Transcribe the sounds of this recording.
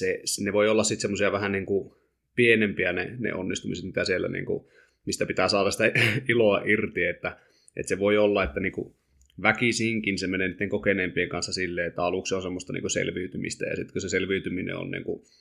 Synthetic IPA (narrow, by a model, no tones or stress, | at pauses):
sesneʋoiolːɑssit̪semːosiɑʋæhæniːŋku | pienempiænḛnḛʔo̰nːist̪umiset̪it̪æsielːæ̰nḭːŋkṵ | mist̪æpit̪æːsɑːɾɑsi̥t̪æiloɑʔirt̪ieet̪ːæ | ʔḛt̪seʋoiolːɑet̪ːæniːŋkṵ | ʋækisiːŋkinsemenenit̪ːeŋkokeneːmpieŋkɑnsːɑsilːeːet̪ːæɑluksonsemːost̪ɑnḭːkusḛlʋiyt̪ymḭst̪æ̰jɑ̰sit̪kuseselʋiyt̪yminḛo̰nnḭːŋku